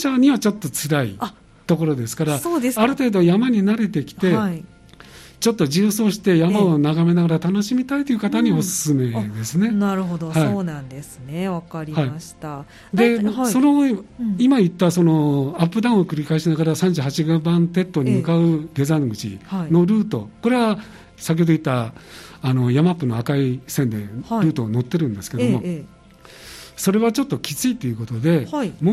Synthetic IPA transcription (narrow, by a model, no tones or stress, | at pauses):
ɕaɲ̟iβat͡ɕo̞t̪ːo̞t͡sɨɾaḭa | t̪o̞ko̞ɾo̞d̪e̞sɨ̥kaɾasoeaɾɯ̟t̪e̞ːd̪o̞jamaɲ̟inaɾe̞t̪e̞kʲi̥t̪e̞i | t͡ɕo̞t̪ːo̞ʑɨːsoːɕi̥t̪e̞jamaonaɡame̞naɡaɾat̪ano̞ɕimʲit̪ait̪ojɯ̟kat̪aɲ̟io̞sɨ̥sɨme̞d̪e̞sɨne̞naɾɯ̟ɦod̪ohaiːnãnd̪esɨneβakaɾʲihaiaɕi̥t̪a | d̪e̞so̞noimait̪ːaso̞no̞apːɯ̟d̪ãɰ̃o̞kɯ̟ɾʲikaeɕinaɡaɾasãɲ̟d͡ʑɨːɦat͡ɕiɡabãnt̪e̞t̪ːo̞ɲ̟imɯ̟kaɯ̟d̪e̞zãŋɡɯ̟t͡ɕḭhaino̞ɾɯ̟ːt̪o̞̰ko̞ɾe̞βa | sakʲeood̪oit̪ːaː | no̞jamapːɯ̟no̞akaisẽ̞nd̪e̞ɾɯ̟ːt̪o̞no̞t̪ːe̞ɾɯ̟̃nd̪esɨ̥keomo̞ | so̞ɾe̞βat͡ɕo̞t̪ːo̞kʲi̥t͡sɨit̪ːe̞jɯ̟ko̞t̪o̞d̪e̞mo